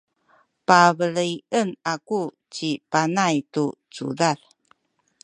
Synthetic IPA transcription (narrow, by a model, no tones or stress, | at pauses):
pavəliənaku | t͡ɕipanajtut͡sṵdal